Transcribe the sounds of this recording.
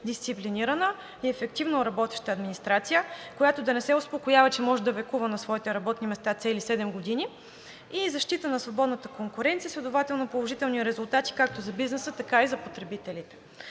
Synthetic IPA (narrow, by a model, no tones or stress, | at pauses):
d̪ist̪sipliniɾənə | iɛfɛk̚t̪ivnoɾɐbɔt̪ɛ̥ʃt̪əːd̪minist̪ɾat̪sijəkojat̪od̪ɐnɛsɛʊspokojavɐt͡ʃɛmɔʒɛd̪ɐvɛkuvənɐsvɔit̪ɛɾɐbɔt̪nimɛst̪at̪sɛlisɛd̪ɛmɡod̪ini | izɐʃt̪it̪ənɐsvobɔd̪nət̪əkoŋkʊɾɛnt̪siəslʲɛd̪ovat̪ɛlˠnɐpolˠoʒit̪ɛlˠniɾɛzʊlˠt̪at̪i̥kak̚t̪ozɐbiznɛsət̪ɐkaizɐpot̪ɾɛbit̪ɛlit̪ɛ̥